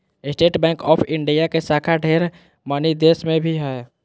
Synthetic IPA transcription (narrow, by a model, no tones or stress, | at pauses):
ɪsʈeːʈbɛ̃ːŋkɔːpʰɪ̃ɳɖijakesaːkʰaɖʱeːɾ | manid̪eːsmẽbʱiɦɛ